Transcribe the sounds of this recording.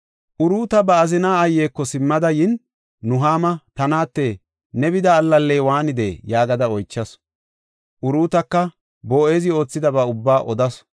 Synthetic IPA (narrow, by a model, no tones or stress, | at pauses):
ʔʊɾuːt̪ɐbɐːzɪnaːɐjːeːkːɔsɪmːɐd̪ɐjɪnː | ʊɦaːmɐt̪ɐnaːt̪ːeː | nɛbɪd̪ɐːlːɐlːeːwaːnɪd̪ḛːjaːɡɐd̪ɐɔjt͡ʃːɐs | ʔʊɾuːt̪ɐkːɐ | boːeːzɪo̞ːt͡sːɪd̪ɐbɐʊbːaːʔɔd̪ɐs